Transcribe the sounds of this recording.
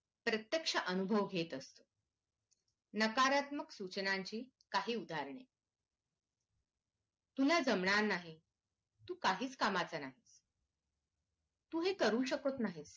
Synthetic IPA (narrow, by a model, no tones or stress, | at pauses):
pɾət̪jəkʂəʔənubʱəʋɡʱet̪əst̪o | nəkaɾat̪məksut͡ɕənaɲt͡ɕiː | kaɦiːud̪ʱaɾɳ̃e | t̪ulad͡zəmɳaɾnaɦi | t̪uːkaɦiːt͡skamat͡sanaɦit͡s | t̪uːɦekəɾuːɕəkot̪naɦit͡s